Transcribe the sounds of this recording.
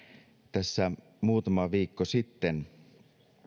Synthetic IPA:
t̪æsːæ | muːt̪ɑmɑʋiːkːosit̪ːen

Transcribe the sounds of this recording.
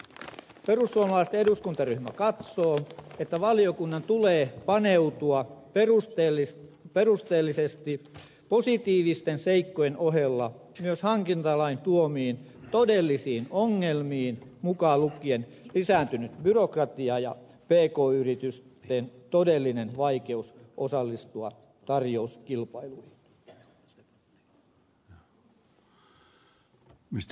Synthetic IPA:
pe̞rusːuomɑlɑˑst̪eduskunt̪ɑryhmækɑt̪so̞ːet̪ːæʋɑliokunːɑnt̪uleːpɑne̞ut̪uɑrus | pe̞rust̪eːlːisest̪i | po̞sit̪iːʋist̪ense̞ikːojenoɦe̞lːɑ | myøshɑŋkint̪ɑlɑint̪uomiːn | t̪o̞de̞lːisiːnoŋːelmiːnmukɑːˑlukːˑienlisæːnt̪ynyt̪byrokrɑt̪iɑjɑ | peːkoːyrit̪yst̪ent̪odelːinenʋɑikeusʔosɑlːist̪uɑ | t̪ɑrjouskilpɑiluihi | mis

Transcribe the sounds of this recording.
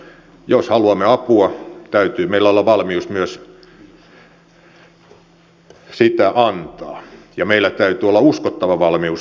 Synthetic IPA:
joshɑluɑmːeɑpuɑt̪æyt̪yːmeilæolːɑʋɑlmiusmyøs | sit̪æʔɑnt̪ɑːjɑmeilːæt̪æyt̪yːolːɑuskot̪ːɑʋɑʋɑlmius

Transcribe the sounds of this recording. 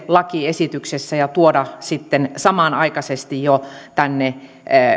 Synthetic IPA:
lɑkiesit̪yksesːæjɑt̪uodɑsit̪ːensɑmɑˑnɑikɑsest̪ijjot̪ænːe

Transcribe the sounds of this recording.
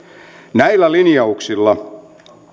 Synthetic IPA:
næilːælinjɑuksilːɑ

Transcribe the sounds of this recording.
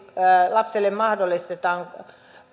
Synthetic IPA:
lɑpselːemmɑhdolːˑist̪et̪ɑːŋ

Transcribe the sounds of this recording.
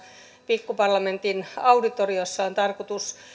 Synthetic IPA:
pikːupɑrlɑment̪inɑudit̪oriosːɑont̪ɑrkot̪us

